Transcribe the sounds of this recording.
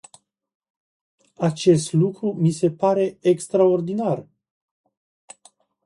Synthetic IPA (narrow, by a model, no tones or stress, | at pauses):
at͡ʃe̞st̪lukɾumise̞paɾe̞ekst̪ɾao̞rd̪inar